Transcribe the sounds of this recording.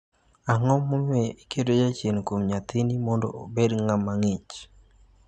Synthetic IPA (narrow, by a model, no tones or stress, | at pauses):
aŋɔmːomeikedod͡ʒat͡ʃenkomɲat̪ʰinimɔndɔ̰o̰bedŋamːaŋit͡ʃ